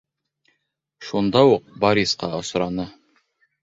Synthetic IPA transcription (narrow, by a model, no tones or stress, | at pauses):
ʃund̪ɑwuq̚bɑɾʲisqɑ̰ŏs̆ɾɑnɤ